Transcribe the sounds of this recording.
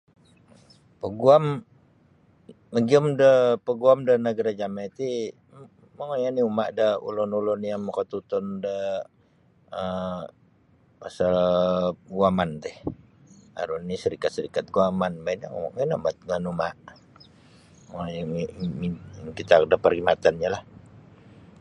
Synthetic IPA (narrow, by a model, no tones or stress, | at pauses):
pəɡuam | məɡiəmdəpəɡuamdənəɡaɾad͡ʒamat̪i | məŋojaniumaʔdəṵlɔnulɔnjaməkət̪ut̪ɔndə | ə | asə | ɡuamant̪ɛh | a̰ɾunnisəɾikat̪̚səɾikat̪̚ɡuamanbaina̰ŋŋanamat̪̚ŋənumaʔ | jimikit̪akdəpərimat̪anɲalah